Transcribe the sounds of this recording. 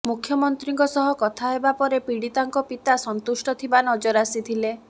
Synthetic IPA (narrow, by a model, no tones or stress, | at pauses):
mukʰjɔmɔnt̪ɾiŋkɔsɔɦɔkɔt̪ʰaɦebapɔɾepiɽit̪aŋkɔpit̪asɔnt̪usʈɔt̪ʰibanɔd͡ʒɔɾasit̪ʰile